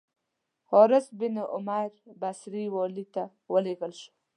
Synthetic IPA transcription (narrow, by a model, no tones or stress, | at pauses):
hoɾɪsbɪnʔʊ̰maɾbasɾiwɔlit̪a | wəleɡəlʃu̥